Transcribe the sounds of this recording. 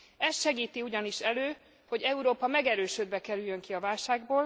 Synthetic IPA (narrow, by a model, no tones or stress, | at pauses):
ɛst̪ʃɛɡiːt̪iuɟɒniʃɛløː | ho̞ɟɛuɾoːpɒmɛɡɛɾøːʃød̪bɛkɛɾyjːøŋkiɒvaːlʃaːɡboːl